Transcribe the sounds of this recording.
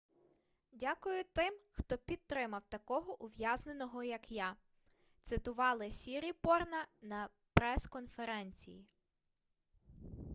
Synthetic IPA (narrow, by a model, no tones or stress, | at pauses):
dʲakʊjʊt̪ɪmxt̪ɔpʲid̪̚t̪ɾɪmɐwt̪ɐkɔɦɔʔʊʋjɑzne̞nɔɦɔjɐkja | t̪sɪt̪ʊʋɑlˠɪsʲiɾʲipɔrnɐnɐ | pɾɛskɔnfeɾɛnʲt͡sʲḭji